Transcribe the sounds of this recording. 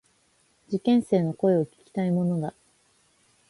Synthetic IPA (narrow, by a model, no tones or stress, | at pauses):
d͡ʑikẽ̞ɰ̃se̞ːno̞ko̞e̞o̞kʲi̥kʲi̥t̪aimo̞no̞d̪a